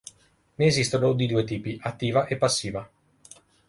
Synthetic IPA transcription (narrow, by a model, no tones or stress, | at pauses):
neːzist̪onod̪id̪uːet̪̬iːpiʔat̪ːiːvaʔepːasːiːva